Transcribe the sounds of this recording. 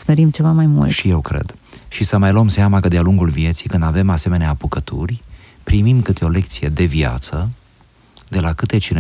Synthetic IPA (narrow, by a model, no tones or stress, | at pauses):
smeɾimt͡ʃe̞vamajmṵlt̪ʃije̞wkɾḛd̪̥ | ʃisəmajlomseamakəd̪ealuŋɡulvije̞t̪sijkɨnd̪ave̞mase̞me̞neaːpukət̪urʲ | pɾimimkɨt̪eo̞le̞k̚t̪sije̞d̪e̞via̰t̪sə | d̪e̞lakɨt̪e̞t͡ʃine